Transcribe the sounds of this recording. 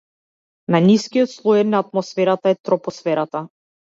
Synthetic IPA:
naniskijɔt̪slˠɔjɛnaːt̪̚mɔsfɛɾat̪aɛt̪ɾɔpɔsfɛɾat̪a

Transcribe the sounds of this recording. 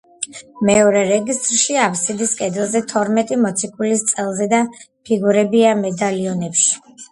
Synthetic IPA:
mɛɔɾɛɾɛɡist̪ʼɾʃiapʰsid̪iskʼɛd̪ɛlˠzɛt̪ʰɔɾmɛt̪ʼimɔt̪sʰikʼulist̪sʼɛlˠzɛd̪a | pʰiɡuɾɛbiamɛd̪aliɔnɛpʃi̥

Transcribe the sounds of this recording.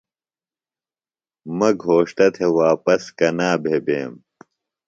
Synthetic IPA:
mɐɡʱoːʂt̪ɐt̪ʰewaːpɐskɐnaːbʱebeːm

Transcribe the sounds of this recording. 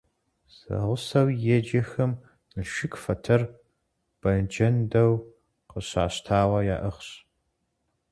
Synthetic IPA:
sɐ̰ʁʷʊsɐwjɛd͡ʒɐxɐm | nɨʃɪkfɐtʰɐr | b̥ɐd͡ʒɐndɐw | qəɕa̰ːɕtʰaːwɐjaːʔɨχɕ

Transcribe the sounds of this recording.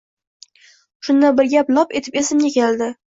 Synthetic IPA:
ʃʊnd̪abɪɾɡʲapnɒpe̞t̪ʰɪ̥pesɪmɡʲakʲʰeld̪ɪ

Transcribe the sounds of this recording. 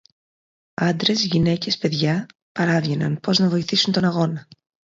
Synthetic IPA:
ɐnd̪ɾe̞zʝine̞ce̞spe̞ðʝɐ | pɐɾɐvʝe̞nɐ̰npo̞znɐvo̞iθisunt̪o̞nɐɣo̞nɐ

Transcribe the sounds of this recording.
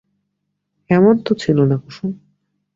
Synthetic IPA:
ɛmont̪ot͡ɕʰilonakuʃu

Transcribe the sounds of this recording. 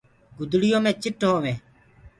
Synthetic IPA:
ɡʊd̪ɽɪjõːmẽːt͡ʃɪʈɦoːʋẽː

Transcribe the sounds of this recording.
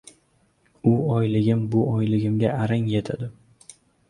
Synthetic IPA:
ʊɒjlɪɡʲɪmbʊɒjlɪɡʲɪmɡʲaaɾaŋje̞t̪ʰad̪ɪ

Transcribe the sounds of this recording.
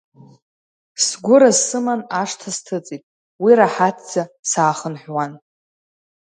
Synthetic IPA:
sɡʷʊɾazɨmanaʂtʰastʰɨt͡sʼitʼ | wiɾaħatʰd͡z̥asaːχənħʷᶣwan

